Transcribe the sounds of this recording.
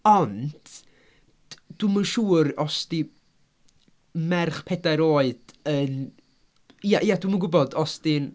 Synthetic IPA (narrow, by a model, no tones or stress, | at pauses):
ɔnd̥ | d̥uməʃuːrɔsti | mɛrχpʰɛdajɾoːɨd̥ən | ijaʔijadwumənɡʊbɔdɔstin